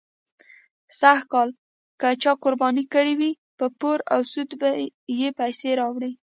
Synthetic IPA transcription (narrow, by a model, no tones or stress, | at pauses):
sax̚kɑl | kət͡ʃɑkʊɾbɑnikəɽiwi | pəpoɾawsud̪bajepajseɾɑwɽi